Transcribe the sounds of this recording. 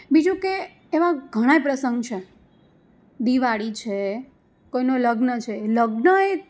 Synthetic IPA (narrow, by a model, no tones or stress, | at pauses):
bid͡ʒũkeː | ʋãɡʱəɽ̃ajpɾəsəŋɡt͡ʃʰe | d̪iʋaɽit͡ʃʰe | koinoləɡnət͡ʃʰeləɡnəe